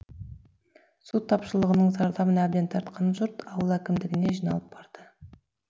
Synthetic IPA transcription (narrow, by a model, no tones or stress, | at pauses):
sut̪ʰːɑpʃəlˠəʁənəɴzɑɾd̪ɑbənæbd̪e̞nt̪ʰɑɾt̪̚qɑnʒʊɾt̪ɑwəlˠækʲɪmd̪ɪɡʲɪne̞ʒijnɑlˠəp̚bɑɾd̪̥ə